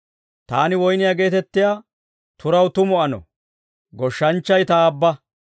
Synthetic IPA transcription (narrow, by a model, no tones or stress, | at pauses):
t̪aːnɪwɔjnɪjaɡe̞ːt̪ɛt̪ːɪjaː | t̪ʊɾɐwt̪ʊmɔɐnɔ̰ | ɡɔʃːɐnt͡ʃːɐjt̪ɐːbːɐ